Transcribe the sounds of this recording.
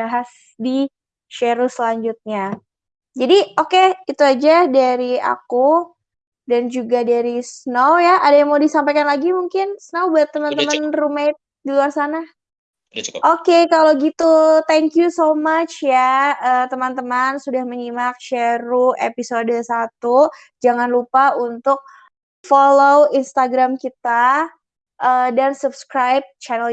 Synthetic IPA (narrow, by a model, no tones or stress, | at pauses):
aɦas | di | ʃeɾusəlaɲd͡ʒut̪̚ɲa | d͡ʒadiokeit̪uad͡ʒadaɾia̰ku | dand͡ʒuɡadaɾisnowjaʔadajaŋmawdisampajkanlaɡimuŋkɪnsnowbuat̪ːəmant̪əmanrumajt̪̚diluarsana | ʔokekaloɡit̪ut̪ɛŋkjusomat͡ʃjaəːt̪əmant̪əmansudahməɲimak̚ʃɛɾuʔepisodsat̪u | d͡ʒaŋanlupaunt̪ʊk̚ | foloinst̪aɡɾamkit̪a | ʔədansubskɾajb̚t͡ʃanɛl